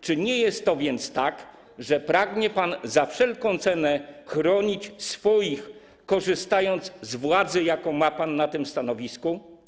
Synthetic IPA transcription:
t͡ʂɘɲɛjɛst̪ːɔvʲjɛnt̪st̪ak | ʐɛpɾaɡɲɛpanzafʂɛlkɔ̃w̃t̪sɛnɛxɾɔɲit͡ɕsfɔjix | kːɔʐɘst̪ajɔnd̪zzvwad̪zɘjakɔ̃w̃mapanːat̪ɘmst̪anɔvʲisku

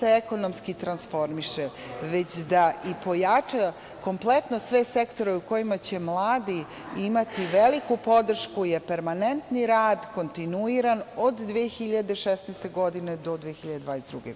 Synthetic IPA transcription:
eeko̞nomskit̪ɾansfo̞ɾmiʃe | ʋet͡ɕd̪aʔipo̞jat͡ʂa | ko̞mplˠe̞t̪no̞sʋe̞sekt̪o̞ɾeuko̞jimat͡ɕe̞mlˠaːd̪i | imat̪iʋelikupo̞d̪r̩ʃkujepeɾmanent̪niɾaːd̪ko̞nt̪inuiɾanod̪ːʋiexiʎad̪eʃesnɛːst̪e̞ɡo̞d̪ine̞d̪o̞d̪ʋijexiʎad̪ed̪ʋaːnesd̪ɾuɡe

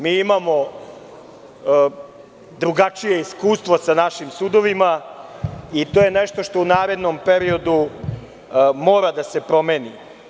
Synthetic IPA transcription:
miːimamo̞ | d̪ɾuɡat͡ʂije̞iskuːst̪ʋosanaʃimsud̪o̞ʋima | it̪oːje̞neʃt̪o̞ʃt̪o̞unaːɾe̞d̪nompe̞ɾio̞d̪u | mo̞ːɾad̪ase̞pɾo̞me̞ːni

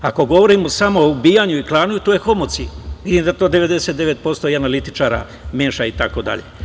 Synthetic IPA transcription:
ako̞ɡo̞ʋo̞ɾimo̞samo̞ubiːjaɲuiklˠaːnujut̪ojexo̞mot̪siʋid̪imd̪at̪od̪eʋe̞d̪e̞set̪d̪e̞ʋet̪̚po̞st̪o̞ianalit̪i̥t͡ʃaːɾa̰ | meːʃait̪ako̞d̪a̰ʎe

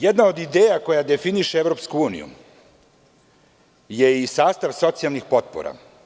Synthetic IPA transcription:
jed̪nao̞d̪id̪eːjako̞jad̪efiniʃeevɾopskuuːnḭjṵ | je̞isaːst̪aʋso̞t̪sialˠnixpo̞t̪̚po̰ɾa̰

